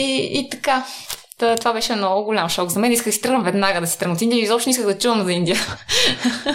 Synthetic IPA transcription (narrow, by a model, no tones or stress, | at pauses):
iit̪ɐka | t̪t̪ovabɛʃɛnɔɡʊɡʊlʲamʃɔkzɐmɛniskəxd̪sist̪ɾəɡnəmvɛd̪naɡəd̪ɐsi̥st̪ɾəɡnt̪ind̪iəizɔpʃniskəxd̪ɐt͡ʃuvəmzɐind̪ijə